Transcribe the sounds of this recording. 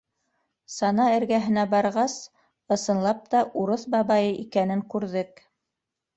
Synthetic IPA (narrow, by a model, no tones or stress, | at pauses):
sɑnɑɘ̆ɾɡæɦɘ̆næbɑɾʁɑs | ɤ̆sɤ̆nlˠɑp̚t̪ɑʔuɾɤθbɑβɑjɤʔikænɘŋkʉɾðɘk̚